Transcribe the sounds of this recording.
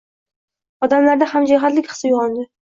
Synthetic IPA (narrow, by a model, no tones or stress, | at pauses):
ɒd̪amlaɾd̪ahamd͡ʒaɦat̪lɪkʲχɨ̥sjʊʁɒnd̪ɪ